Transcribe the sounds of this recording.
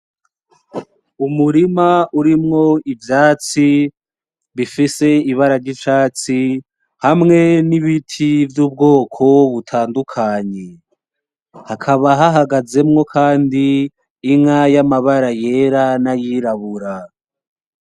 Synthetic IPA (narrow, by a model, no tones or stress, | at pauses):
umuɾimauɾimŋo̞ivjaːt͡si | βifise̞iβaɾaɾɟit͡ʃaːt͡si | hamŋe̞niβitʰivjuːb̚ɡo̞ːkʰo̞βutʰaːndukʰaɲe̞ | hakʰaβaɦaɦaɡaze̞mŋo̞kʰaːndiː | ŋajamaβaɾaje̞ːɾanajiɾaβuɾa